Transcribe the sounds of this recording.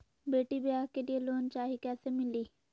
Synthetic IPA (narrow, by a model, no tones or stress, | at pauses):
beːʈiːbɪjaːɦkelieloːnt͡ʃaːɦiːkɛːsemɪliː